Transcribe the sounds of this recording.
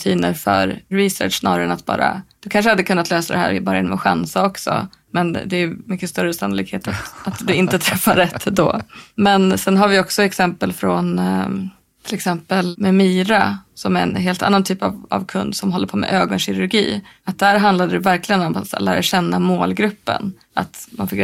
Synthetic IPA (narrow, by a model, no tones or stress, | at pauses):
t̪ʰiːnəɾfœ̰ɾːɪsœ̰ːʈʂsnɑ̰ːɾaɾɛnat̪̚bɑ̰ːɾa̰d̪̥ɵkʰanʂ̬əhad̪ːəkʰɵnːat̪løːsad̪ɛhæ̰ːɾɪbɑːɾajɪnɔmɔɧa̰nsaɔksɔ̰ | mɛnd̪ɛjɵmʏkːəst̪œɾəsanːʊliːkheːt̪at̪at̪d̪ɵɪnt̪ət̪ʰɾɛfːaɾɛt̪ʰːd̪ɔmɛnsɛnɦaɾvɪɔksɔɛksɛmpəlfɾɔn | t̪ʰɪlɛksɛmpəlmɛmiːɾasɔmæɾɛ̰nɦeːlt̪a̰nːant̪ʰyːpa̰va̰vkʰɵnd̪sɔmɦɔlːəɾpʰomɛ̰ʔøːɡɔnɕɪɾɵɾɡḭːat̪̚d̪æːɾɦand̪lad̪əd̪ɛvæɾklɪɡənɔmat̪læ̰ːɾaɕɛnːamoːlɡɾɵpːə̰n | at̪manfɪk